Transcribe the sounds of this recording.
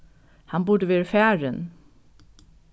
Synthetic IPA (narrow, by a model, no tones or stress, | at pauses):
hɑnbʊɖəʋeːɹəfæːɹən